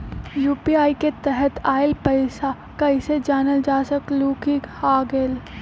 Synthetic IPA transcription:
juːpiaːiket̪ɛɦət̪aːɪlpɐɪsa | kaɪsed͡ʒaːnəld͡ʒaːsəkluːkihaːɡel

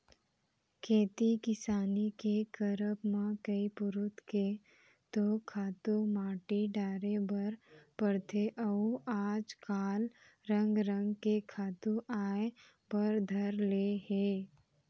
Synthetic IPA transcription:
kʰeːt̪ikɪsaːnikekɐɾəpmãkɐipʊɾʊt̪ke | t̪okʰaːt̪umaːʈiɖaːɾebɐɾpɐɾt̪ʰeʔɐuaːd͡ʒkaːl | ɾə̃ŋɡɾə̃ŋɡkekʰaːt̪uʔaːe | pɐɾd̪ʱɐɾleːheː

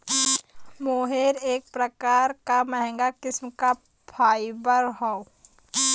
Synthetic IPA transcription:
moːɦeːɾeːk̚pɾəkaːɾkamɛɦɛ̃ŋɡakɪsmka | pʰaːɪbəɾɦɔo

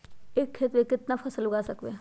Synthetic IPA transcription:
eːkʰːeːt̪ʋekɪt̪napʰɐsəlʊɡaːsɐkʋe

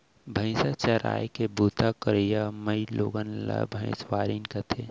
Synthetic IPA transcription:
bʱə̃ɪ̃sat͡ʃɐɾa̰ːjkebuːt̪akəɾijamɐilo̰ːɡənla̰bʱɐ̃ɪ̃swaːɾinkɐt̪ʰe

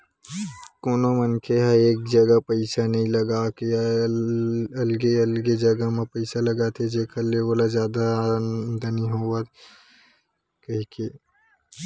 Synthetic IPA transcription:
koːnomənkʰeɦɐɾeːk̚d͡ʒɐɡapəɪsanəɦĩlɐɡakea | ɐlɡeɐlɡed͡ʒɐɡamẽpəɪsalɐɡat̪ʰed͡ʒeːkʰəleʋoːlazjaːd̪ad̪ɐniɦoːat̪ | kɐɦike

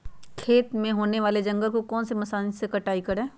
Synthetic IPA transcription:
kʰeːt̪mẽɦoːneʋaːled͡ʒɐ̃ŋɡəlkokɔːnsemɐsaːnisekɐʈaːikɐɾẽː

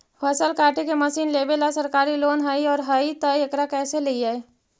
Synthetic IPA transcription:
pʰɐsəlkaːʈʰekemɐsiːnleːbelasɐɾkaːɾiloːnɦəiɔːɾɦəit̪əɐkɾakɛːselɐiaːe

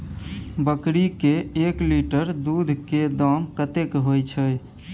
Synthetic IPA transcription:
bəkɾikeekliʈəɾd̪ud̪ʱked̪ɔmkət̪ekɦojt͡ʃʰəj

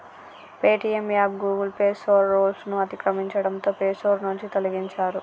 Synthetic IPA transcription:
peːʈiemjaːpɡuːɡulpeːsoːɾːoːlsnuɐt̪ikɾɐmiɲt͡ʃɐɽɐnt̪o̞ːpeːsoːɾnuɲt͡ʃit̪oliɡiɲt͡ʃaːɾu

